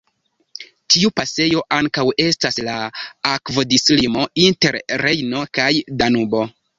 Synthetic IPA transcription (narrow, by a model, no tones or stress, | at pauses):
tiupase̞jo̞ʔaŋkawe̞staslaakvodislimo̞inte̞ɾɾe̞jno̞kajdanubo̞